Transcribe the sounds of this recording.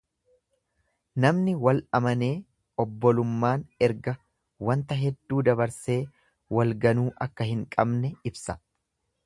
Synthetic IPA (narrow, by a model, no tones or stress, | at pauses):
nɐmnɪwɐlɐmɐne̞ː | ɔbːɔlʊmːaːnɛɾɡɐ | wɐnt̪ɐɦɛd̪ːuːd̪ɐbɐɾse̞ː | wɐlɡɐnuːʔɐkːɐhɪŋkʼɐbnɛɪbsɐ̥